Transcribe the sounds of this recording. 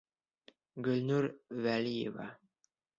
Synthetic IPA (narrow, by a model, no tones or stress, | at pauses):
ɡɵ̆lnuɾvælʲijḛvɑ̰